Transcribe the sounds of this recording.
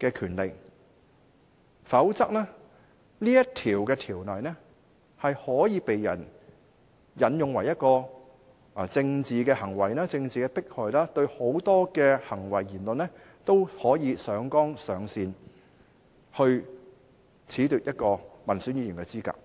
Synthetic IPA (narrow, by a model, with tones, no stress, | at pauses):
kɛː˧kʰyː˨˩nle˨k | fɐ˨˥wt͡sɐ˥k̚nɛː˥ | niː˥jɐ˥t̪ʰiː˨˩wkɛː˧t̪ʰiː˨˩wnɔː˨˩jnɛ˥ | hɐ˨jhɔː˨˥jiː˨˧pe˨jːɐ̰˨˩n | jɐ˨˩njʊ˨ŋwɐ˨˩jɐ˥t̚kɔː˧˨ | t͡sɪ˧ŋt͡siː˨kɛː˧hɐ˨˩ŋwɐ˨˩jnaː˥t͡sɪ˧ŋt͡siː˨kɛː˧pɪ˥k̚hɔː˨jlaː˥t̪ɵ˧ɥho˨˥wt̪ɔː˥kɛː˧hɐ˨˩ŋwɐ˨˩jːiː˨˩nlɵ˨nlɛ˥ | t̪o˥whɔː˨˥jiː˨˧sœː˨˥ŋkɔː˥ŋsœː˨˧ŋsiː˨n | hɵ˧ɥ | t͡sʰiː˨˥t̪yː˨˩jɐ˥t̚kɔː˧mɐ˨˩nsyː˨˥nji˨˧jiː˨˩nkɛː˧t͡siː˥ka̰ː˧˥k̚